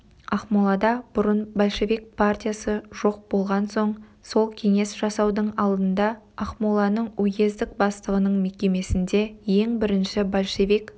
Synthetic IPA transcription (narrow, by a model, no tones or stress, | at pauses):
ɑqmolˠɑd̪ɑb̥ʊɾənbolʲʃe̞vijk̚pʰart̪ʲijasəʒo̞q̚bo̞lˠʁɑnso̞ɴso̞lˠkʲʰe̞ŋe̞sʒ̥ɑsɑwd̪əɴɑlˠd̪ənd̪ɑ | ɑqmolˠɑnəɴɵɡʲe̞zd̪ɪk̚bɑst̪əʁənəɴme̞kʲe̞me̞sɪnd̪e̞je̞ŋbɪɾɪnʃɪbolʲʃe̞vijk